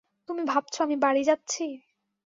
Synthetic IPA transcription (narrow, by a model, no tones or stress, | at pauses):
t̪umibʱab̚t͡ɕʰoamibaɽid͡ʑat̪ːɕʰi